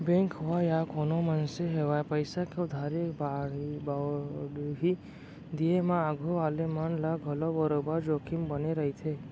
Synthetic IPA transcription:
bẽŋkɦʊʋajakonomənseɦeʋaːepəjsakeʊd̪ʱaɾebab | ɦi | d̪iemãaɡʱuʋaːlemənlaɡʱəlobəɾobaɾd͡ʒoːkʰimbəneɾəɦit̪ʰe

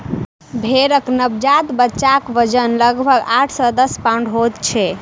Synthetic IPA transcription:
bʱeɾəknəbd͡ʒat̪bətːt͡ʃakʋəd͡ʒənləɡbʱəɡaʈʰsɔd̪əspaɳɖɦot̪t͡ʃʰɛ

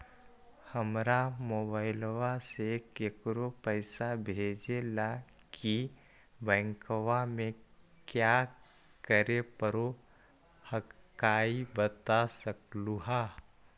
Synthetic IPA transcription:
həmɾamoːbaːɪlwasekekɾopəɪsabʱeːd͡ʒela | ki | bɛ̃ːŋkwamẽ | kja | kəɾepəɾo | həkaːibət̪asəkluɦa

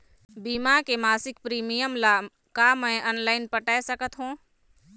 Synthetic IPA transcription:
biːmakemaːsɪk̚pɾiːmijəmla | kamɛ̃ənlaːɪnpəʈajsəkət̪ɦũː

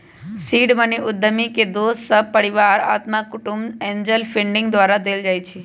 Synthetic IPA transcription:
siɽməneʔʊd̪ʱːəmiked̪ossəb̚pəɽiʋaɾa̰t̪makʊʈumẽɲd͡ʒəlfʰɪ̃ɳɖɪ̃ŋɡd̪ʋaɾad̪eld͡ʒajt͡ʃʰe

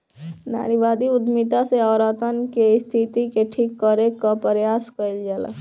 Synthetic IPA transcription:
na̰ːɾiʋaːd̪iʊd̪mit̪aseaːɾaːt̪ənkeɪst̪ʰit̪ikeʈʰiːkːəɾekapəɾjaːskəild͡ʒaːla̰

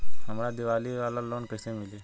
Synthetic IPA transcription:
ɦəmɭad̪iʋaliʋalalonkəsẽmile

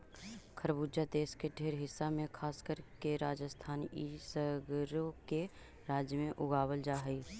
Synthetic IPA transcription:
kʰəɾbuːd͡ʒad̪eːskeɖʱeːɾɦɪsːamẽkʰaːskəɾkeɾaːd͡ʒəst̪ʰaːnisəɡɾõke | ɾaːd͡ʒjəmẽʔʊɡaːwəld͡ʒaːɦəi

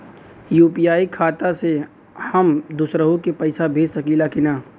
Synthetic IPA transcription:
juːpijaːikʰaːt̪ase | hɐmd̪ʊsɾəɦukepɐɪsabʱeːsɐkiːlakɪnaː

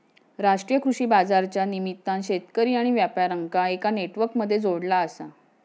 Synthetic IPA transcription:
ɾaʂʈɾijəkɾuʂiːbad͡zaɾt͡ɕjanimit̪ːãnɕet̪kəɾiːaɽ̃iʋjapaɾəŋkaekaneʈʋəɾkməd̪ʱːjed͡zoɽlaəsa

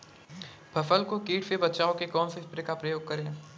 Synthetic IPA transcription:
bʰʱɐfəlkokiːʈsebɐtːt͡ʃaːõkekɔːnsespɾeːkapɾɐjoːɡ̚kɐɾẽ

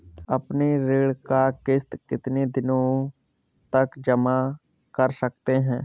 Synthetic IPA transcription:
əpneɾeːɭkakɪst̪kɪt̪ned̪ɪnõ | t̪əkd͡ʒəma | kəɾsək̚t̪eɦɛ̃ː

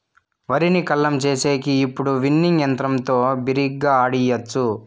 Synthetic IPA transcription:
ʋɐɾinikɐlːɐmt͡ʃeːseːkiːpːuɽuʋinːiŋjɐnt̪ɾɐmt̪o̞ːbiɾiɡːaːɽijɐt͡ʃːu

